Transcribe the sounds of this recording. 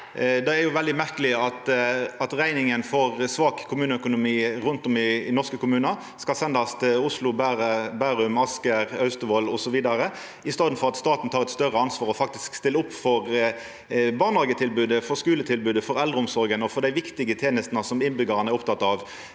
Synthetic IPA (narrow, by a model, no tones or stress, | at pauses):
d̪ɛæjʊʋɛld̪ɪmæʁkəlɪɑt̪ɑt̪ʁæɪnɪŋənfɔʁsʋɑːkkʰʊmʉːnəœkʊnʊmiːʁʊnt̪ɔmɪɪnɔʁskəkʰʊmʉːnə | skɑlsɛnd̪ɑst̪ʊslʊbæːʁəbæːɾʉmɑskəʁœʉst̪əʋoːlɔsɔʋiːd̪ɑɾə | ɪst̪ɑːd̪n̩fɔɾʁɑt̪st̪ɑːt̪n̩t̪ʰɑːʁɛt̪st̪œʁəɑnsʋɑːʁɔfɑk̚t̪ɪskst̪ɪlːəʊpːfɔʁ | bɑːʁnɑːɡət̪ʰɪlbʉːd̪əfɔskʉːlət̪ʰɪlbʉːd̪əfɔʁɛld̪ʁəʊmsɔɾɡənɔfɔʁd̪æɪʋɪkt̪ɪɡət̪ʰeːnəst̪nəsɔmɪnbʏɡɑʁənəæɾʊp̚t̪ʰɑt̪ːɑʋ